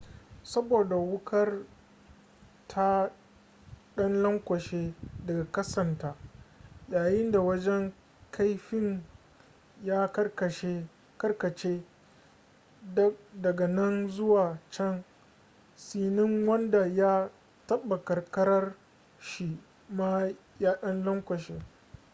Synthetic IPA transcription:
sɐ˦boː˨da˨wʊ˦kʰɐ˦r | tʰa˦ | ɗɐ˦nlɐ˦ŋkʷɐ˨ʃeː˦dɐ˨ɡa˨kɐ˦sɐ˨ntaː˨jaː˨jɪ˦nda˨wɐ˦d͡ʒɛ˦ŋ | kʰa˦jɸɪ˦ŋ | jaː˦kɐ˦kɐ˨ʃe˦ | kɐ˦rkɐ˨t͡ʃeː˦ | ddɐ˨ɡa˨nɐ˦nzʊ˦waː˨t͡ʃɛ˦ŋ | siː˦nɪ˦ŋwɐ˦nda˨ja˦ | tɐ˦bːa˨kɐ˨rkɐ˦ɾɐ˦r | ʃi˨ | ma˦ | jaː˦ɗɐ˦nlɐ˦ŋkʷɐ˨ʃeː˦

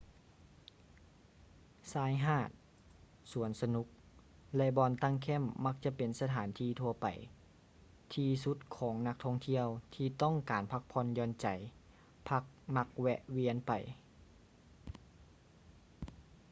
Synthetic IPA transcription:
saː˧˥jɦaː˧˥˩t̪̚ | su˨˩˦ənsa˧nu˧˥k̚ | lɛ˧ʔbɔː˧nt̪a˧˨ŋkʰɛ˧˥˨mːa˧˥k̚t͡ɕa˧ʔpe˨nsa˧t̪ʰaː˨˦nt̪ʰiː˧t̪ʰu˧ɐpa̰˨˩j | t̪ʰiː˧su˧˦˥t̪̚kʰɔː˩˦ŋna˧˥k̚t̪ʰɔ˧˨ŋt̪ʰi˧əwt̪ʰiː˧t̪ɔ˥˨ŋkaː˨npʰa˧˥k̚pʰɔ˧˥njɔː˧˥nt͡ɕa˨˩j | pʰa˧k̚ma˧˥k̚wɛ˧ʔwi˧˥ənpa˨˩j

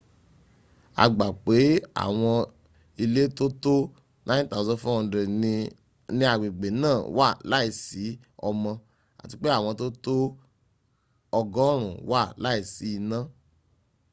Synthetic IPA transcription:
a̰˨ɡ͡ba˨k͡pe˨˦a̰˨w̃ɔ̃˧ | i˧le˦to˦to˦ | nʔã˦ta˦˨˦zɔ̃˧˦fɔ̃˦˧dɾe˨ | nĩ˦a˦˨ɡ͡bĩ˨ɡ͡be˨˦nãː˦˨wa˦˨la˨˦i˦˨si˨˦ | ɔ˧mɔ̃˧ | a̰˨ti˧k͡pe˦a˦˨w̃ɔ̃˧to˦to˦ | ɔ˧ɡɔ̃˦ɾ̃ũ˨wa˦˨la˦i˦˨si˨˦i˧nã˦

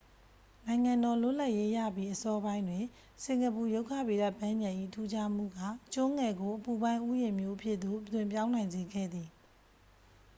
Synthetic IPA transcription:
nã˨ɪ̃ŋã˨ndɔ˨lʊ̰˦˨la˦ʔje˦jä̰˦˨bji˦ʔəsɔ˦bã˦ɪ̃ndwɪ̃˨ | sɪ̃˨ŋɡə˨pu˨jo˦ʊkʰä̰˦˨be˨da˦˨pã˦mjã˨ʔḭ˦˨tʰu˦d͡ʑa˦m̥ṵ˦˨ɡä̰˦˨t͡ɕʊ̃˦ŋɛ˨ɡo˨ʔəpu˨bã˦ɪ̃ʔu˦jɪ̃˨mjo˦ʔəpʰjɪ˦ʔt̪o̰˦˨ʔətwɪ̃˨mpjã˦ʊ̃nã˨ɪ̃nze˨ɡɛ̰˦˨d̪ði˨

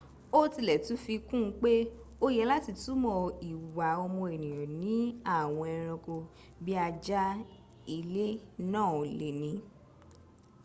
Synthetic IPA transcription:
o˦ti˧lɛ˨tũ˨˦fi˧kũ˦˨˦k͡pe˦o˧jɛ˧˦la˦ti˨˧tu˦mɔ̃˧˨i˨wa˨ɔ˧mɔ̃˧e˨nĩ˨j̃ɔ̃˨nĩ˨˦a˦˨w̃ɔ̃˧ɛ˧ɾ̃ɔ̃˧ko˧ | bi˦a˧d͡ʒa˦ | i˧le˦nãː˦˨le˨nĩ˨˦

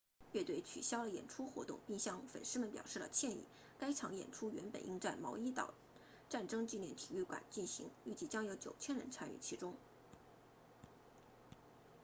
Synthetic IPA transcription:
ɥɛ˥˧t̪we˥˩ɪt͡ɕʰy̰˨˩ɕjɑ˥ʊd̪ə˨jɛ̰˨˩nʈ͡ʂʰu˥xwɔ˧˥t̪ʊ̰˥˧ŋpi˥˩ŋɕjɑ˥˩ŋfə̰˨˩nʂɻ̩˥mə˨npjɑ˨˩ʊʂɻ̩˥˩lə̰˩t͡ɕʰjɛ˥˧nḭ˥˩ | ka˥ɪʈ͡ʂʰɑ˧˥ŋjɛ̰˨˩nʈ͡ʂʰu˥ɥɛ˧˥npə̰˨˩nʔḭ˥ŋt͡sa˥˩ɪmɑ˧˥ʊi˥t̪ɑ̰˨˩ʊ | ʈ͡ʂa˥˩nʈ͡ʂɤ˥ŋt͡ɕi˥˧njɛ˥˩nt̪ʰi˨˩y˥˩kwa̰˨˩˦nt͡ɕi˥˩nɕḭ˧˥ŋy˥˩t͡ɕi˥˩t͡ɕjɑ˥ŋjo˧˥ʊt͡ɕjo˨˩ʊt͡ɕʰjɛ˥nɻə̰˧˥nt͡sʰa˥ny̰˥˩t͡ɕʰi˧˥ʈ͡ʂʊ˥ŋ

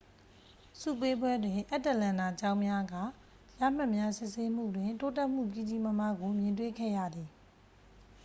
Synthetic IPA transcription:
sṵ˦˨pe˦bwɛ˦dwɪ̃˨ʔɛ˦tːɛ˦˨lã˨na˨t͡ɕã˦ʊ̃mja˦ɡa˦˨ | ja̰˦˨m̥a˦˨ʔmja˦sɪ˦ʔse˦m̥ṵ˦˨dwɪ̃˨nto˦tɛ˦ʔm̥ṵ˦˨pi˦˨d͡ʑi˦mə˦ma˦ɡo˨mjɪ̃˨ntwḛ˦˨kʰɛ̰˦˨jä̰˦˨d̪ði˨

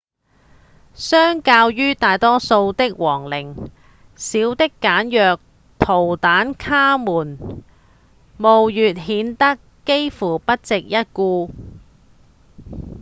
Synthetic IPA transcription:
sœː˥ŋkaː˧wjyː˥t̪aː˨jt̪ɔː˥so˧wt̪ɪ˥k̚wɔː˨˩ŋlɪ˨˩ŋ | siː˨˥wt̪ɪ˥kːaː˨˥njœː˨k̚ | t̪ʰo˨˩wt̪aː˨˥nkʰaː˥muː˨˩n | mo˨wjyː˨t̚ɦiː˨˥nt̪ɐ˥kːe˥jfuː˨˩pɐ˥t̚t͡sɪ˨k̚jɐ˥t̚kuː˧

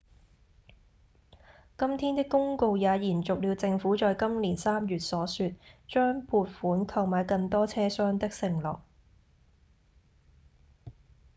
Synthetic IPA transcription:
kɐ˥mt̪ʰiː˥nt̪ɪ˥kːʊ˥ŋko˧wjaː˨˧jiː˨˩nt͡sʊ˨k̚liː˨˧wt͡sɪ˧ŋfuː˨˥t͡ʃɔː˨˧jkɐ˥mliː˨˩nsaː˥mjyː˨t̚sɔː˨˥syː˧t̚t͡ʃœː˥ŋpʰuː˧t̚fuː˨˥nkʰɐ˧wmaː˨˧jkɐ˧ŋt̪ɔː˥t͡sʰɛː˥sœː˥ŋt̪ɐ˥k̚sɪ˨˩ŋlɔ̰ː˨˩k̚

